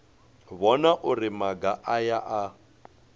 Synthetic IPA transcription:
βɔnaʔʊrɪmaɡaʔajaʔa

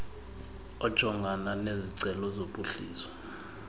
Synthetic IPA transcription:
ɔd̥ʒ̥ʱɔŋɡʱananeziǀɛlɔzoɓʼuɬḭːsɔ̥

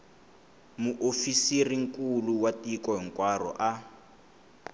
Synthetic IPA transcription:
muʔofisiriŋ̩kuluwatikɔɦiŋ̩kwarɔ̰ʔa

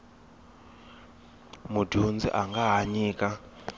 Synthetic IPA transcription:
mudʱund͡zḭʔaŋɡaɦaɲiːka

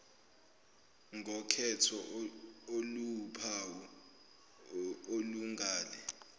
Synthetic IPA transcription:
ŋʱɔkʰɛtʰɔ | olupʰawɔ | oluŋaːlɛ

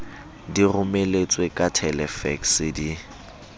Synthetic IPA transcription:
dirʊmelet͡sʼwekʼatʰɛlɛfɛksɪdi

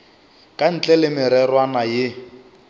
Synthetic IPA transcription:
kʼan̩t͡ɬʼɛlɪmɪɾɛrwanajɪ

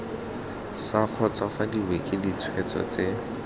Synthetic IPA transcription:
saq͡χʰɔt͡sɔfadiwekʼɪdit͡sʰwɛt͡sɔ̰t͡se

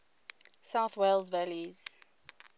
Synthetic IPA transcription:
saʊθwelzvæliz̥

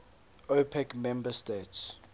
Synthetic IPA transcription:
opʰɛkmɛ̃mbəstets

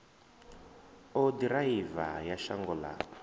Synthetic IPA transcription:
ɔdɾaiva̰jaʃaŋɡɔla̰

